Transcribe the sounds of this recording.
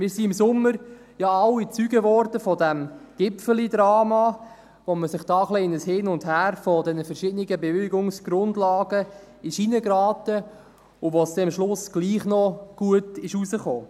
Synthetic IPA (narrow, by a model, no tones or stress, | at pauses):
mɪːɾsiɪmsʊmːəɾ | jɑɑwit͡syɡəvɔɾdəfɔdæmɡ̥ɪpfəlidɾɑːmɑ | ʋoməsɪχd̥ɑːχliɪnəshɪnʊndhæːɾfɔdɛnəfɛɾʃɪdənɪɡəbeveɡʊŋsɡ̥ɾʊndlɑːɡ̥ə | ɪʃinəɡɾɑːtə | ʊvosd̥ɛɑmʃlʊsɡ̥liːχnɔɡ̥uətɪʃusəχoː